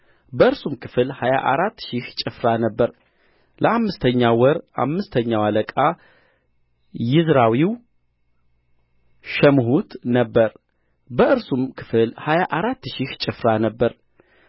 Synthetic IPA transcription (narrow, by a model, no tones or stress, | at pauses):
bəɨɾsumkʰɨ̥fɨlhaja̰ʔaɾat̪ːʃiht͡ʃʼɪfɾanəbːəɾ | lʔəʔamːɨst̪ʰəɲːawɔɾʔa̰mːɨst̪ʰəɲːawaləkʼa | jɪzɾawiw | ʃɛmɦut̪nəbːəɾ | bəʔɨɾsumkʰɨ̥fɨlhajaʔaɾat̪ːʃiht͡ʃʼɪfɾanəbːəɾ